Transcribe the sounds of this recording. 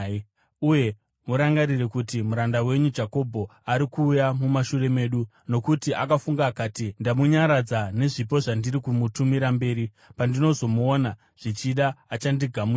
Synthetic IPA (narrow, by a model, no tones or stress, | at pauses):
uje̞ | muɾaŋɡarirekutimuɾandawe̞ɲud͡ʒako̞bʱo̞aɾikuːjamumaʃure̞me̞ːɗu | no̞kutiʔakafuŋɡaːkaːtindamuɲaɾad͡zane̞ʐip̬o̞ʐandiɾikumutumiɾambe̞ːɾi | pandino̞zo̞muona | ʐ̥it͡ʃiɗaːt͡ʃandiɡʱamu